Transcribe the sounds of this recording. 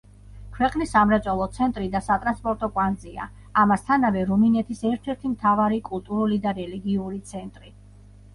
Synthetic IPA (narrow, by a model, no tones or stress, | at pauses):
kʰwɛqʼnisamɾɛt̪sʼɔlˠɔt̪sʰɛnt̪ʼɾid̪asat̪ʼɾanspʼɔɾt̪ʼɔkʼwant̪zʼia̰ | amast̪ʰanavɛɾuminɛt̪ʰisɛɾt̪ʰɛɾt̪ʰimt̪ʰavaɾikʼulˠt̪ʼuɾulid̪aɾɛliɡiuɾit̪sʰɛnt̪ʼɾi